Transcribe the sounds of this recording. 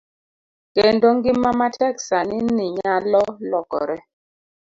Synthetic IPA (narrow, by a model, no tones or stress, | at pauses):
kendoŋɡɪmːamatʰɛksaniniɲalɔlɔkɔ̰ɾɛ